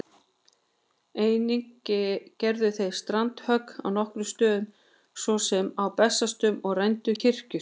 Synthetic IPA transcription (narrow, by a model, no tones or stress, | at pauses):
eːjniŋcɪcɛɾðʏθejst̪ɾant̪hœkna̰wn̪ɔhkɾʏst̪œːðʏm | svɔsɛmawpɛsːast̪ʏmɔɣrajnt̪ʏcɪr̥cʏ